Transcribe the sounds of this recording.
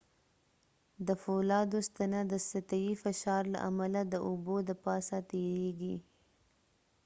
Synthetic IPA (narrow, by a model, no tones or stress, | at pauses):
d̪əfolɑd̪ost̪anad̪əsat̪awifɪʃɑɾla̰ʔa̰malad̪əʔʊbod̪apɑsat̪eɾeɡi